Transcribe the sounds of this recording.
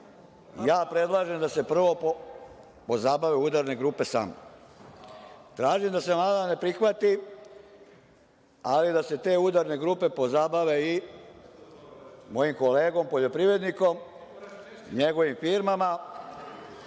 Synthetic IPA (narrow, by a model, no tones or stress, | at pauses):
jaːpɾe̞d̪lˠaːʒe̞md̪ase̞pr̩ʋo̞ | po̞zaːbaʋeuːd̪aɾne̞ɡɾuːpe̞sa̰ːmo̰ | t̪ɾaːʒimd̪ase̞mlˠaːd̪ane̞pɾixʋat̪i | alid̪ase̞t̪e̞ːud̪aɾne̞ɡɾuːpe̞po̞zaːbaʋe̞i | mo̞jimko̞le̞ːɡo̞mpo̞ʎopɾiʋe̞d̪niko̞m | ɲe̞ɡo̞ʋimfiɾmama